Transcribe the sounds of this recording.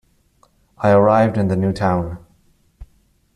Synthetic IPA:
ʔaɪə˞aɪvdɨ̃nðɨnjʉtʰãʊ̃n

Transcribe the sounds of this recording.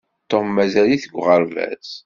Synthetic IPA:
t̪ːomːæzæliθəɡʷʁəɾvæ̰s

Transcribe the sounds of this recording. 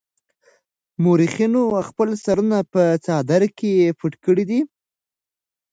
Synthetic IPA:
moɾixinoxpəlsaɾunapət͡sɑd̪aɾkejepuʈkəɽid̪i

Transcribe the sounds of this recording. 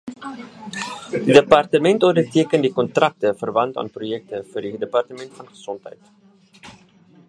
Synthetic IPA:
didəpɐrtəmɛntuəndərtiəkəndikɔntrɐk̚təfərvɐntɑ̰ːnprojɛk̚təfuːrdidəpɑrtəmɛntfɐnχə̥sɔntɦɛ̰jt

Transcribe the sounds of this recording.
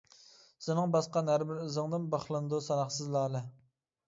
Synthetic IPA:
sɪnɨŋbɑsqɑnɦæɾbɪɾyzɨŋd̪ɨnbɑχlˠɨnd̪usɑnɑχsɨzlˠɑːlˠɨ

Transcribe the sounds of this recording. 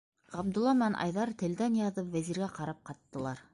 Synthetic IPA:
ʁɑb̚d̪ŏlˠːɑm̆nænʔɑ̰jðɑɾt̪ɘ̆ld̪ænjɑðɤpwæziɾɡæqɑɾɑp̚qɑt̪ːɤ̆lˠɑɾ

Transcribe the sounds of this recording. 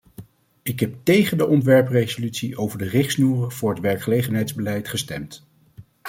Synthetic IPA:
ɪkɦɛp̚tejχəndəʔɔntʋɛɹprejzolytsiʔowvəɹdərɪχsnuːrəv̥ʊːɹɦətʋɛɹkχəlejχənɦɛjtzbəlɛjtχəstɛ̰mt

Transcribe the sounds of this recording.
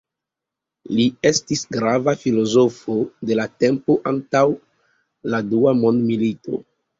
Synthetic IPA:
lie̞stisɡɾavafilo̞zo̞fode̞latempo̞ʔantaw | laduamo̞ndmilito̞̰

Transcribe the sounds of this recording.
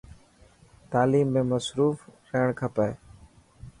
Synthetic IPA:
t̪aːliːmːẽːməsɾuːfɾəːɳkʰəpeː

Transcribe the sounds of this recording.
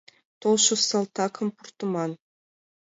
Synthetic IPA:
t̪olˠʃusɑlˠt̪ɑkʰɤ̆mpurt̪umɑn

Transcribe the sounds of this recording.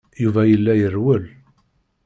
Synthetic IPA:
juvæjəlːæjərwəl

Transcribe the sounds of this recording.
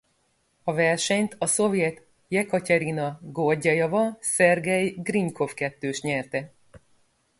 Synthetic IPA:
ɒvɛrʃɛɲt̪ɒso̞vjɛt̪ | jɛkɒcɛɾinɒɡorɟɛjɒvɒsɛrɡɛjɡriŋkʰo̞fkɛt̪ːøːʃt̪ɲɛrt̪ɛ

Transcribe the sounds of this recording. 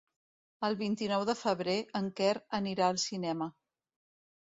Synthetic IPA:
əlˠβint̪inɔwðəfəβ̞ɾeʔəŋkɛɾəniɾaəlˠsinɛmə

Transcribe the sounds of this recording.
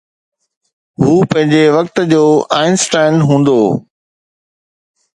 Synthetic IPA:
ɦuːpɐ̃ɦɪ̃ɲd͡ʑeʋɐk̚t̪d͡ʑoːaːɪnsʈãːɪnɦũːnd̪oː

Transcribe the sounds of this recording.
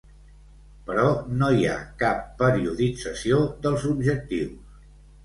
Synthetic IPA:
pəɾɔnoia̰kapːəɾiuðid͡zəsiod̪əlˠzubʒək̚t̪iws

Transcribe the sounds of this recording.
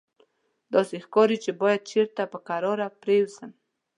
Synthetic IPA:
d̪ɑsexkɑɾit͡ʃebɑjad̪̚t͡ʃeɾt̪apəkaɾɑɾapɾewzəm

